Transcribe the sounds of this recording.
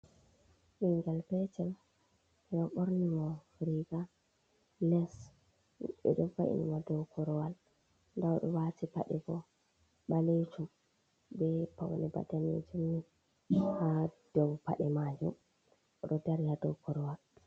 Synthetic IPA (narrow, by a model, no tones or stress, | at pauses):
ʔiŋɡalpɛt͡ʃɛm | ɛɗɔɓoɾnimɔ | ɾiɡa | lɛs | ɛ̰ɗɔfa̰ʔḭnimɔdɔwkɔɾɔwal | ndawɗɔwatipa̰ɗɛɡɔ | ɓalet͡ʃum | bɛpawnɛba̰danḛd͡ʒumːi | had̥ɔwpa̰ɗɛmad͡ʒṵm | ʔɔɗɔdaɾihadɔwkɔɾɔwal